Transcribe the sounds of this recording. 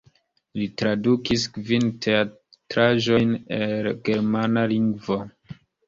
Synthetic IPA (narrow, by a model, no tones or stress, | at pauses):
litɾadukiskvintʰea | tɾaʒo̞jnelɡe̞ɾmanaliŋɡvo